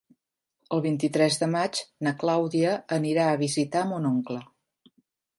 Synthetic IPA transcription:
əlˠβint̪it̪ɾɛzðəmad͡ʒnəklawðiəːniɾaəβ̞izit̪aəmunoŋklə

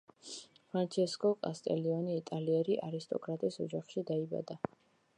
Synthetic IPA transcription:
pʰɾant͡ʃʰɛskʼɔkʼast̪ʼɛliɔniːt̪ʼaliɛɾiʔaɾist̪ʼɔ̰kʼɾat̪ʼisɔd͡ʒaχʃid̪aiba̰d̪a

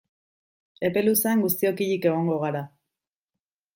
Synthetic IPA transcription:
e̞pe̞luseaŋɡust̪io̞kiʎike̞ɣ̞o̞ŋɡo̞ɣ̞aɾa

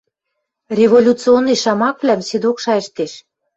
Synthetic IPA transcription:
rʲevolʲut͡sɨonːiʃɑmɑkβlæmsed̪okʃɑɘ̆ʃt̪eʃ

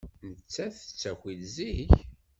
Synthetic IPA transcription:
nət͡sːæθə̥t͡sːæxʷilziç

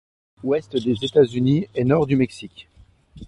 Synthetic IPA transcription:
wɛst̪d̪ezet̪azyniɛnɔʁd̪ymɛksikʲ

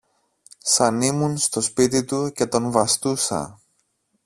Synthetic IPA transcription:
sɐnimunst̪o̞spit̪it̪uce̞t̪o̞nvɐst̪usɐ̰

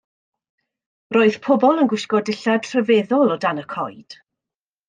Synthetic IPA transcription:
roːɨð̥pʰɔbɔlˠənɡwɪskɔdɪɬad̥r̥əvɛðɔlˠɔdanəkʰɔ̰jd̥

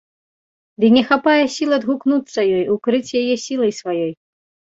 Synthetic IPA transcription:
d̪inʲɛxapajɛsʲilˠɐd̪ɣuknut̪sːɐjɔjukɾɨt͡sʲjajɛsʲilˠɐjsvajɔj

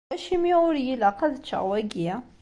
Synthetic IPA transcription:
æʃimiʊɾjilaqæðət͡ʃːə̰ʁwæɡiæ

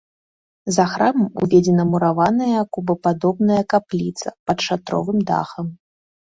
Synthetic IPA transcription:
zɐxɾamɐmṵvʲɛd͡zʲɛnɐmuɾavanɐjɐkubɐpad̪ɔbnɐjɐkaplʲit̪sɐ̰pɐt̪ʂat̪ɾɔ̰vɨmd̪a̰xɐm

